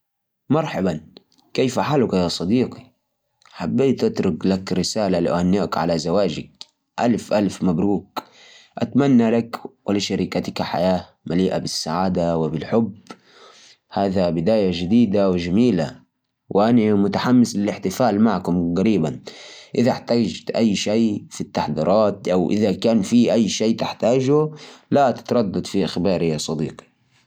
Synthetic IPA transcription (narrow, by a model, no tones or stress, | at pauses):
mɑɾˤħɑban | kejfaħalʊkajaːsˤɑd̪iːqi | ħabːiːt̪ʔat̪ɾʊklakɾɪsaːlaliʔhanːaʔkʕa̰lazawaːd͡ʒa̰k̚ | ʔalfʔalfmabɾuːk | ʔat̪manːalakwaliʃaɾiːkat̪akaħa̰jaː | maliːʔabɪsːaʕaːd̪awɪbɪlħʊb | haːðabɪd̪aːjad͡ʒɪd̪iːd̪awɪʒamiːla̰ | wʔɪʔanamʊt̪aħamːɪslɪlɪħt̪ɪfaːlmaʕkʊmɣaɾiːbanʔɪðaħt̪aːd͡ʒt̪ʔajːʃaːfit̪ːaħd̪ḭːɾˤʔɑːt̪ʔawʔɪ̰ðakaːnfiʔajːʃeːt̪ɪħt̪aːd͡ʒulat̪ɪ̥t̪ɾˤɑd̪ːɑd̪fiʔaxbɑːɾɪjɑsˤɑd̪ḭːqi̥